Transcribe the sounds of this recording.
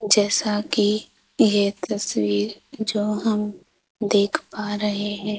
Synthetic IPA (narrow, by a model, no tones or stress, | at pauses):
d͡ʒɛːsaki | jet̪ɐswiːɾd͡ʒoːɦəm | d̪eːkʰpaɾɐɦeɦɛ̃ː